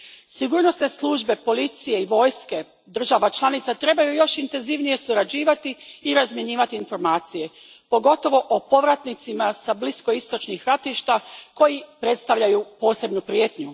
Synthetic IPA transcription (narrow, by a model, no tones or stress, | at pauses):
siɡuːɾno̞st̪ne̞slˠuʒbe̞po̞lit̪sijeiʋo̞ːjske̞ | d̪r̩ʒaʋat͡ʃlˠanit̪sat̪ɾe̞bajujo̞ʃint̪e̞nziʋnije̞suɾad͡ʑiːʋat̪iːɾazmje̞ɲiːʋat̪iːnfo̞ɾmaːt̪sije̞ | po̞ɡo̞t̪o̞ʋo̞ʔopo̞ʋɾat̪nit̪simasablisko̞ist̪o̞t͡ʃnixɾat̪iʃt̪ako̞jipɾe̞t̪st̪aʋʎajupo̞ːse̞bnupɾije̞ːt̪ɲu